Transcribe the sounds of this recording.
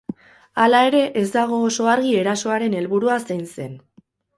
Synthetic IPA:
alae̞ɾe̞ʔezd̪aɣ̞o̞so̞aɾɣie̞ɾaso̞aɾe̞ne̞lβuɾuasajnse̞n

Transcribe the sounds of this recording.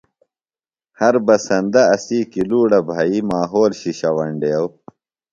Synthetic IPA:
hɐɾbɐsɐnd̪ɐɐsiːkiluːɽɐbʱaːimaːɦoːlɕiɕɐwɐɳɖeɐw

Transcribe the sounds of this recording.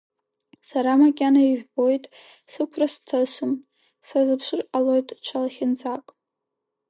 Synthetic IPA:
saɾamakʲʼanaiʒᶣbo̞jtʼ | sɨkʷʰrastʰasɨm | sazɨpʰʂɨralojtʼt͡ʃʷʰalaχʲɪnd͡zʼakʼ

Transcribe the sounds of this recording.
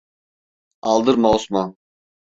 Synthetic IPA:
ɑlˠd̪ɯɾmaosman

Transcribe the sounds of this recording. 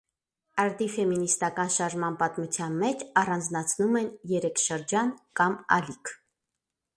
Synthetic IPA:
ɑɾd̪ifɛminist̪ɑkɑnʃɑɾʒmɑnpɑt̪mut͡sʰjɑnmɛt͡ʃʰɑrɑnd͡znɑt͡sʰnumɛnjɛɾɛkʰʃəɾd͡ʒɑnkɑmɑ̰likʰ

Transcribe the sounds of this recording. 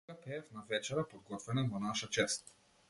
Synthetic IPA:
əpɛɛfnavɛt͡ʃɛɾəpod̪̚ɡɔt̪vɛnəvonaʃət͡ʃɛst̪̚

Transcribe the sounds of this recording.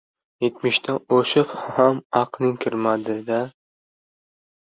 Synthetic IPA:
jet̪mɪʃt̪ʰaoʃɪphamaqnɪŋkʲʰɪɾmad̪ɪd̪a

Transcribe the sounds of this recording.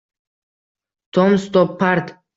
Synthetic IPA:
t̪ʰɔmst̪ɔpʰːaɾt̪

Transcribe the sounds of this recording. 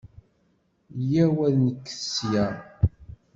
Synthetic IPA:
jæwæðnəkːə̥sjæ

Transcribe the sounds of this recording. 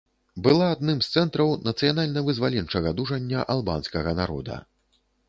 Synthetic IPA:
bɨlˠaːd̪̚nɨmst̪sɛnt̪ɾɐwnɐt̪sɨjanalʲnɐvɨzvalʲɛnt͡ʂɐɣɐd̪uʐɐnʲːɐʔalˠba̰nskɐɣɐnaɾɔ̰d̪ɐ̰

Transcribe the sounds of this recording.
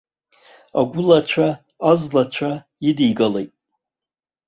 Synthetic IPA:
a̰ɡʷʊlat͡ʃʷʰaː | zlat͡ʃʷʰa | idiɡalejtʼ

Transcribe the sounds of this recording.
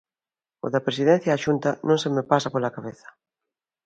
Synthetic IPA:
o̰ðɐpɾes̬iðɛ̃n̟θjaːʃunt̪ɐnõŋsemepasapolakaβ̞eθɐ̥

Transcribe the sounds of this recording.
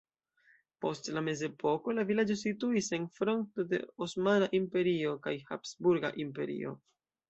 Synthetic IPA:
po̞stlame̞ze̞pʰo̞ko̞lavilad͡ʒo̞situise̞nfɾo̞nto̞de̞̰osmanaʔimpe̞ɾio̞kajha̰psbuɾɡa̰ʔimpe̞̰ɾḭo̞̰

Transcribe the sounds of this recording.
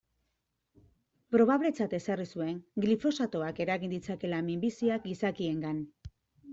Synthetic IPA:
pɾo̞β̞aβle̞t͡sat̪e̞sarisue̞ŋɡlifo̞sat̪o̞ake̞ɾaɣind̪it͡sake̞lamimbisiak̚ɡisakie̞ŋɡan

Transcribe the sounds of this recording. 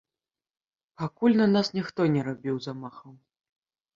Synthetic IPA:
pakulʲnɐnasnʲixt̪ɔnʲɛɾabʲiwzamaxɐw

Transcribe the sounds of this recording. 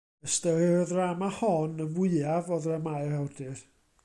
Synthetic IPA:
əstəlɪɾɔðramahɔnəvʊɨavɔðramaɨrawdɪr

